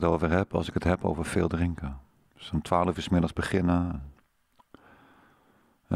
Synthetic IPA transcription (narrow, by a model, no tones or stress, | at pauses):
towvəɹɦɛpɑ̰lˠsɪkətɦɛpo̰wvəɹfeːlˠdrɪŋkə | sɔmtʰʋaːləfɪsmɪdəlˠzbəχɪnəɛn